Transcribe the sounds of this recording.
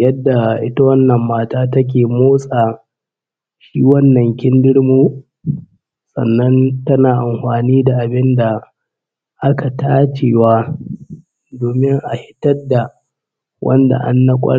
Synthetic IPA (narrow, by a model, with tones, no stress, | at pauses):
jɐ˦dːa˨ʔɪ˦ta˦wɐ˦nːɐ˨mːaː˦taː˦tɐ˦k̬ʲeː˨moː˦sʼaː˨ | ʃiː˦wɐ˦nːɐ˨ŋkʲɪ˦ndɪ˦ɽmuː˦ | sʼɐ̰˨nːɐ˦ntɐ˦naː˨ʔa˨mɸaː˨niː˦da˨ʔa˨bɪ˦nda˨ | ʔa˦ka˨taː˦t͡ʃeː˨waː˦ | doː˨mɪ˦ŋʔa˨hɪ˦tɐ˦dːa˨ | wʔɐ̰˦nda̰˨ʔa̰˦nːɐ˦kʷʼɐ̰˦ɽ